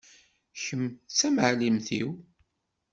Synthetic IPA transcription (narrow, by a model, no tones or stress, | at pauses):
çəmːt͡sːæməʕlimθḭw